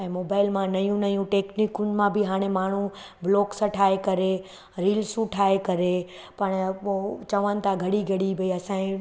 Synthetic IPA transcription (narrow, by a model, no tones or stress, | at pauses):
ɛ̃ːmoːbaːɪlmãnɐjũnɐjũʈeːknikʊnmãbʱɪɦaːɽ̃emaːɳ̤ũ | bloːksɐʈʰaːekɐɾe | ɾiːlsuʈʰaːekɐɾe | pɐɽ̃poːt͡ɕɐʋənɪ̆t̪ʰaɡʱɐɽiɡʱɐɽibʱɐiɐsãːĩ